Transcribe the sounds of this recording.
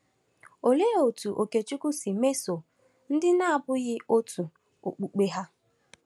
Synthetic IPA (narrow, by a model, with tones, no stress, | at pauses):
o˨le˦o˨tu˨ʔo˨ke˨t͡ʃu˦ku˦si˨me˦so˨ | n̩˦dɪ˦na˦a˨bʊ˦ɣɪ˦o˦tʰu˨ | o̰˨k͡pu˨k͡pe˦ɦa˦